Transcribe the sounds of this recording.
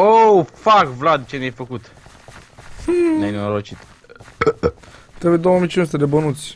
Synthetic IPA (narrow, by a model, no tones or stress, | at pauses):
ofakvlad̪t͡ʃenajfəkut̪ | najnoɾot͡ʃit̪ | t̪ɾebujed̪awomit͡ʃinust̪ed̪ebənut̪sʲ